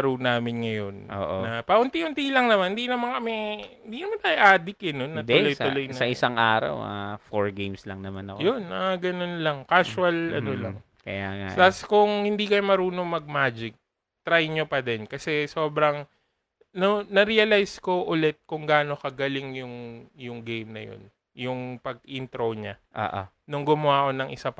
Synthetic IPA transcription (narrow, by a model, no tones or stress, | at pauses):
ɾuwnaːmɪnŋɐjo̞nʔo̰ːʔonɐpɐʔʊnt̪iʔʊnt̪ilɐŋnɐmanɪnd̪inɐmankɐmɛhɪnd̪inɐmant̪ajʔaːd̪ɪkɛnonːɐt̪ʊloj̪ʊloj̪ɐʔɪsaŋʔaːɾɐ̰wa̰foɹɡejmslɐ̰ŋnɐmanɐ̰kjonʔɐɡɐno̞nlɐŋkaːswɐlʔɐ̰olɐ̰ŋ | kɐ̰jaːŋa̰slaskʊŋhɪnd̪ikɐjomɐɾuːno̞mɐɡ̚maːd͡ʒɪk̚ | t̪ɾajɲopɐd̪ɛnkɐsɛso̞ːbɾɐŋ | nonɐɾiɐlajsko̞ʔʊlɛt̪̚kʊŋɡaːno̞kɐɡɐlɪŋjʊŋjʊŋɡejmnɐ̰jo̰n | jʊŋpɐɡ̚int̪ɾoɲaʔo̰ːʔo̰ | nʊŋɡʊmʊwaːko̞nɐŋʔɪsap